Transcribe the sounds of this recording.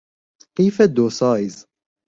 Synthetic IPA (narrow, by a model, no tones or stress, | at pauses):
qiːfad̪osɑːjz